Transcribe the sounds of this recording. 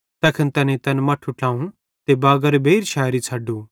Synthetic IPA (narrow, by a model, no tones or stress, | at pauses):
t̪ɛːkʰənt̪ɐnẽt̪ɐnmɐːʈʰuʈãːũ | t̪ebaːɡəɾbʱeːɾʃʰaːjɾit͡sʰɐːɖuː